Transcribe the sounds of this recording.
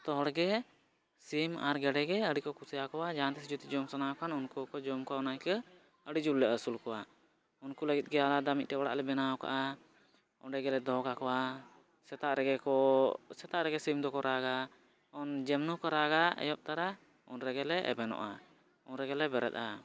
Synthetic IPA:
t̪ɔɦɔɽɡɛ | sima̰ɾɡɛɖɛɡɛəɽikɔkusɛjakɔwad͡ʒaant̪ɛsid͡ʒut̪id͡ʒɔmsanawkanunkukɔd͡ʒɔmkaɔnajkə | əɽid͡ʒulːɛʔəsulkɔwa | unkuləɡit̪̚ˀɡɛalad̪amic̪̚tɛwɔɽa̰ʔlɛbɛnawka̰ʔa | ɔnɾɛɡɛlɛd̪ɔkakɔwa | sɛt̪aʔɾɛɡɛkɔsɛt̪aʔɾɛɡɛsimd̪ɔkɔɾʔaɡa | ɔnd͡ʒɛmnukɔɾaɡaɛ̰jɔp̚t̪aɾa | ɔ̰nɾɛɡɛlɛʔɛ̰bɛnɔ̰ʔa̰ | ɔnɾɛɡɛlɛbɛɾɛ̰t̪̚a̰

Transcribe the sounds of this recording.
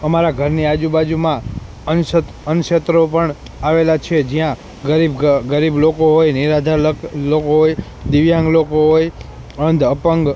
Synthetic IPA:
əmaɾaɡʱəɾniad͡ʒubad͡ʒumã | ən | ənʃet̪ɾopəɳ | aʋelat͡ʃʰed͡ʒijã | ɡəɾibɡəɾiblokoɦojniɾad̪ʱallokoɦoj | d̪iʋjãŋɡlokoɦoj | ənd̪ʱəpəŋɡ

